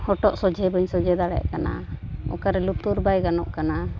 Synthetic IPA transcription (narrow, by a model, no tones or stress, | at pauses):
hɔʈɔʔsɔd͡ʒɛbəɲsɔd͡ʒɛd̪aɽɛ̰ʔkana̰ɔ̰kaɾɛlut̪uɾbajɡanɔʔkana